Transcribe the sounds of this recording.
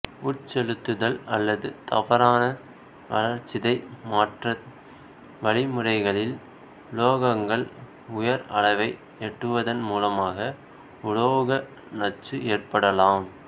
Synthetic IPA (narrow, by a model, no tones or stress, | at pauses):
ʊʈt͡ʃɛɻɯt̪ːɯðɐlɐlːɐðɯt̪ɐ̰ʋɐɾaːnɐ | ʋɐ̰ɻɐɾt͡ʃːɪðɐɪmaːʈrɐ | ʋɐɭɪmɯɽɐɪɣɐɭɪl | loːɣɐŋɡɐɭ | ʊjɐɾɐ̰ɭɐɪʋɐɪ | ɛʈːrɯʋɐðɐnmuːlɐmaːɣɐ | ʊɻoːɣɐ | nɐt͡ʃːɯeːrpɐɽɐlaːm